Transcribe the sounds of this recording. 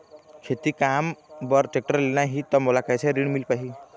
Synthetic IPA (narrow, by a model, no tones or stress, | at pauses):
kʰet̪ikambəɾʈek̚ʈəɾlenaɦit̪ɔmolakɛjsʰeɾiɽ̃milpaɦi